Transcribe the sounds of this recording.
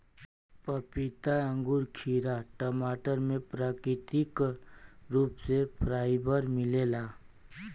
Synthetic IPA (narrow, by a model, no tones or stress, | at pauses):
pəpɪt̪aə̃ŋɡuːɾkʰiːɾaʈəmaːʈəɾmẽpɾaːkɾɪt̪ɪk | ɾuːpsepʰɾaːɪbəɾmɪleːlaː